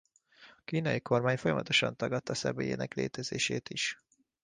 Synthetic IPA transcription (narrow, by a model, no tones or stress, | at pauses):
ɒkiːnɒjiko̞rmaːɲfojɒmɒt̪o̞ʃɒnt̪ɒɡɒt̪ːɒsɛbeːjḛːnɛkleːt̪ɛzeːʃeːt̪iʃ